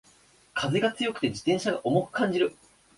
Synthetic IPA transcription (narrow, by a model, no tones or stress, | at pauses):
kʰazeɡat͡sɨjo̞kɯ̥t̪e̞d͡ʑi̥t̪ẽɰ̃ɕaɡaʔo̞mo̞kɯ̟̥kãɲ̟d͡ʑiɾɯ̟